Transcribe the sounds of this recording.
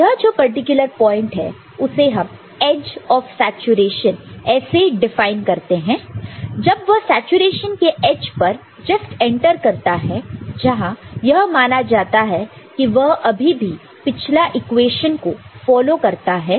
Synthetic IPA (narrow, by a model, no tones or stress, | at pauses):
jɐɦd͡ʒoːpɐɾʈɪkjʊləɾpɔːɪ̃ɳʈɦɛ̰ | ʊseɦɐm | ɛːd͡ʒɔːfsɛːt͡ʃuɾeːʃənɛːseɖɪfaːɪnkɐɾt̪eɦɛ̃ːd͡ʒɐbʋɐɦsɛːt͡ʃuɾeːʃənkeʔeːd͡ʒpɐɾ | d͡ʒɐsʈɛ̃ɳʈəɾkɐɾt̪aɦɛd͡ʒɐɦãjɐɦmaːnad͡ʒaːt̪aɦɛ | kiʋɐɦɐbʱibʱi | pɪt͡ʃʰlaʔɪkweːʃənkofɔːlokɐɾt̪aɦɛː